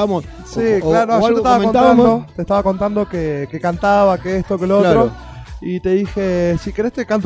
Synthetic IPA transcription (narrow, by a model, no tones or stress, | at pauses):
siklaɾoaɣelet̪aβakont̪aand̪ot̪eht̪aβako̞nt̪and̪okekekant̪aβakeest̪okelolt̪ɾo | it̪e̞ðixesike̞ɾest̪ekant̪